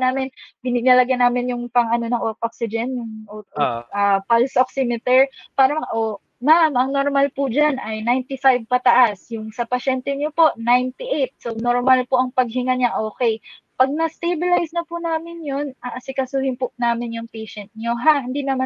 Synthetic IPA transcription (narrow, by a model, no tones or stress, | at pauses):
naːmɪnbɪnɪɡ̚nɐlɐɡanaːmɪnjʊŋpɐŋɐno̞nɐŋʔotʔoksɪd͡ʒɛnjʊʔooʔɐpalsʔoksɪmɪt̪ɛɹpaːɾɐʔo | mamʔɐŋnoɾmalpʊd͡ʒanʔɐjnajnt̪ɪfajb̚pɐt̪ɐʔasjʊŋsɐpɐʃɛnt̪ɛɲopo̞ʔnajnt̪ɪʔejt̪̚sonoɹmɐlpoʔɐŋpɐɡ̚hɪŋaɲaʔo̞ːkɛj | pɐɡ̚nɐst̪ebɪlajsnɐpʊnaːmɪnjonɐsɪkɐsuːhɪnpʊʔnaːmɪnjʊŋpɛjʃɛnt̪̚ɲoɦahɪnd̪inɐma